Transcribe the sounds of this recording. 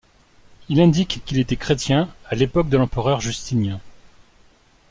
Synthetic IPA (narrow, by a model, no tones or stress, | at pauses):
ilɛ̃d̪ikːilet̪ɛkχet̪jɛ̃alepɔk̚d̪əlɑ̃pəʁœʁʒyst̪injɛ̃